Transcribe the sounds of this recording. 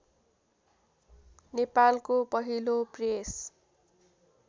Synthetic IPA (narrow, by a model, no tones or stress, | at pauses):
nepalkopʌɦilopres